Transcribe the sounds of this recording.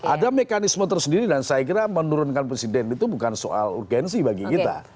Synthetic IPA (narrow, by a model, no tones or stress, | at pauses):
ʔadamekanismət̪ərsəndiɾidansajak̬iɾamənuɾʊnkanpɾesidɛnit̪ubukanso̰ʔa̰lṵrɡɛnsibaɡikit̪a̰